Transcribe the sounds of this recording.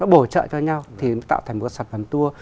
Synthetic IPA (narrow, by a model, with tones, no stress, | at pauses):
nɔ˨˦˥ɓo˧˩t͡ɕə̰ː˧˨t͡ɕɔ˧ɲa˧wt̪ʰi˨˩nɔ˨˦t̪a̰ː˧˨t̪ʰa˨˩˨ŋ˨˩tka˦sa˨˩t̚və˨˦nt̪u˧ə